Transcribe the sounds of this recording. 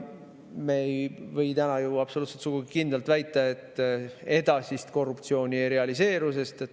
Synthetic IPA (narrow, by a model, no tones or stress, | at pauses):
mejvɤ̞jt̪ænɑjuɑpsoluːt̪set̪suɡ̥uɡikind̪elt̪væjt̪ːˑɑe̞t̪ːˑe̞d̪̥ɑsist̪ko̞rːupt̪sio̞ːnʲiɾe̞ɑlise̞ːɾuse̞st̪et̪ː